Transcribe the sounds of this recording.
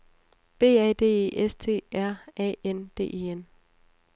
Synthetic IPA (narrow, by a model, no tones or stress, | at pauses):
b̥e̝̰ːɛːd̥e̝̰ːe̝̰ːʔest͡sʰe̝̰ːæɐ̰ɛ̰ːend̥e̝̰ːʔe̝̰en